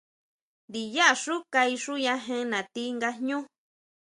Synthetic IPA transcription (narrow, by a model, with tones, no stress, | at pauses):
nd̪i˨ja˦ʔa˧ʂu˦ka˧i˧ʂu˦ɲã˧ɦẽ˦˧nã˨t̪i˦ŋɡa˧ɲɲũ˦